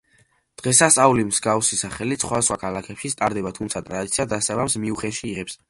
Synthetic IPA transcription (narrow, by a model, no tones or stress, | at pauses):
d̪̥ʁɛsast̪ʼaulimz̥ɡafsisaχɛlisχwad̪asχwakʰalakʰɛpʃist̪ʼaɾd̪ɛbat̪ʰumt̪sʰat̪ʼɾad̪it̪sʰiad̪asavamsmiuχɛʃiːʁɛps